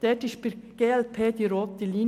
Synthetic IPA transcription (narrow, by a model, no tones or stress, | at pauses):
d̥ɛːtɪʃpɪɾɡ̥eːɛlpʰeːd̪iɾoːt̪əliːn